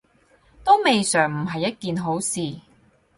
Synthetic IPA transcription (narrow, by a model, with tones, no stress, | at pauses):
t̪o˥wme˨jsœː˨˩ŋm̩˨˩ɦɐ˨jːɐ˥t̚kiː˨nɦo˨˥wsiː˨